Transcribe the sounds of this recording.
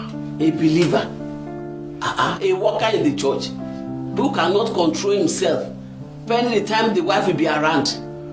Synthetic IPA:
ebiliva | aʔaewɔkaĩndit͡ʃɔt͡ʃ | hukanɔtkɔ̃ntɹolhĩmsɛlf | pɛ̃nditãɪ̃mdiwaɪfwibiaɾãnd

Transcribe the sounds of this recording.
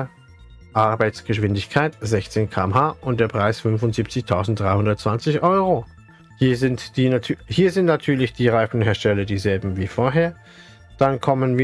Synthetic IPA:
ʔaɐbaɪt͡sɡ̥əʃv̥ɪndɪçkʰaɪtz̥ɛçt͡seːnkʰaːɛmhaːʔʊntd̥eːɐpʁ̥aɪsfʏnfʊntz̥iːp̚t͡sɪçtʰaʊzn̩td̥ʁaɪhʊndɐt̚t͡sv̥ant͡sɪçʔɔʏʁo | hiːɐzɪntd̥iːnatʰːhiːɐzɪntnatʰyːɐlɪçd̥iːʁaɪfn̩heːɐʃtɛlɐdiːzɛlbm̩viːfoːɐɦeːɐ | d̥ankʰɔmənviː

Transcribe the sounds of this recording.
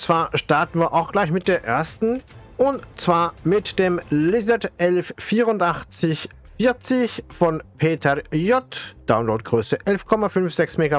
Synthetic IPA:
t͡sv̥aːɐʃtaɐtn̩viːɐʔaʊxɡ̥laɪçmɪt̚d̥eːɐʔeːɐstn̩ʔʊntt͡sv̥aːɐmɪtd̥eːmlɪznɛtʔɛlfːiːʁʊntʔaχt͡sɪç | fiːɐt͡sɪçfɔnpʰeːtʰɛjɔtd̥aʊnloːtɡ̥ʁøːsəʔɛlfkʰɔmafʏnfz̥ɛksmeːɡa

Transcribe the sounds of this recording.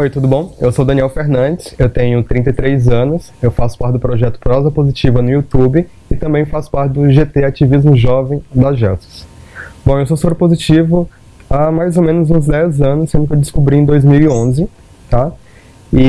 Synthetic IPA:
ojt̪ud̪ʊbõw̃ewsowd̪ɐ̃niɛwfeɾnɐ̃d͡ʒɪsewt̪ẽɲʊt̪ɾĩnɐjt̪ɾejzɐ̃nʊs | ewfasʊ̥paɾt͡ʃɪd̪ʊpɾɔʒɛt̪ʊ̥pɾɔzɐpozit͡ʃivɐnʊiut̪ubɪ | ɪt̪ɐ̃mbẽj̃fasʊ̥paɾt͡ʃɪd̪ʊʒet̪eat͡ʃivizmʊʒɔvẽj̃d̪ɐʒɛsɪ̥sb̥õewsosobɾɪpozit͡ʃivʊ | amajzomẽnʊzũzd̪ɛzɐ̃nʊssẽnd̪ʊkewd͡ʒɪskubɾĩẽd̪ojzmiwiõzɪ | t̪a | ɪ

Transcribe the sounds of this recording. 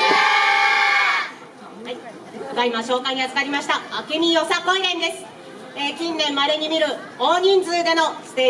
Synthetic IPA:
ɡaimaɕo̞ːkaiɲ̟iat͡sɨ̥kaɾʲimaɕi̥t̪aakʲeɲʲio̞sakõɰiɾẽ̞ɲʲd̪e̞sɨ̥ | eːkʲĩnːẽ̞mːaɾe̞ɲ̟imʲiɾɯ̟ | o̞ːɲ̟ĩnd͡zɨːd̪e̞no̞sɨ̥t̪e

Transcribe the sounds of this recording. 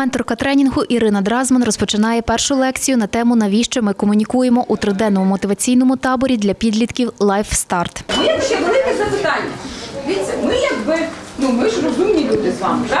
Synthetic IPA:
mɛnt̪ɔrkɐt̪ɾɛnʲinɦʊʔiɾɪnɐd̪ɾɑzmɐnrɔspɔt͡ʃɪnɑjɛpɛrʃʊlˠɛkt͡sʲijʊnɐt̪ɛmʊnɐʋʲiʃt͡ʃɛmɪkɔmʊnʲikujemɔʔut̪ɾɪd̪ɛnɔmʊmɔt̪ɪʋɐt͡sʲijnɔmʊt̪ɑbɔɾʲid̪lʲɐpʲid̪lʲit̪kʲiwlˠɑjfst̪ɑrt̪mɪjɐkʃʲɛʋelˠɪkɛzɐpɪt̪ɑnʲːɐd̪ʋʲit̪ʲsʲɐmɪjɐɡbɪnumɪʒrɔzumnʲilʲud̪ɪzʋɑmɪd̪

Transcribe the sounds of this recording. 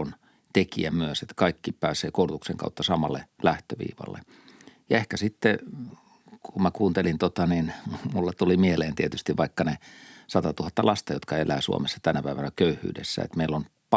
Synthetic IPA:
on | t̪ekiæmyøset̪kɑikːipæːseːkourt̪ukseŋkɑ̰ut̪ːɑsɑmɑlːḛlæht̪øʋḭːʋɑ̰lːḛ | jɑehkæsit̪ːe | kummækuːnt̪elint̪ot̪ɑninmulːɑt̪ulimieleːnt̪iet̪yst̪iʋʋɑikːɑnesɑt̪ɑt̪uhɑt̪ːɑlɑst̪ɑjot̪kɑelæːsṵo̰mesːɑ̥t̪ænæpæiʋænækøyhˑy̰ːdḛsːæ̰ḛt̪meilːon | p

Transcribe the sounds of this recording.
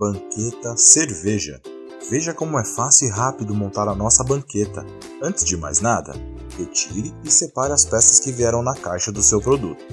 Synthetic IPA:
bɐ̃ŋket̪ɐseɾveʒɐ̰ | veʒɐkõmʊɛfasiwɪɦapid̪ʊmõnt̪aɾɐnɔsɐbɐ̃ŋket̪ɐ̰ | ɐ̃nt͡ʃɪzd͡ʒɪma̰jznad̪ɐ̰ | het͡ʃiɾɪːsepaɾɪɐspɛsɐskɪviɛɾɐ̃w̃nɐkajʃɐd̪ʊsewpɾod̪ut̪ʊ

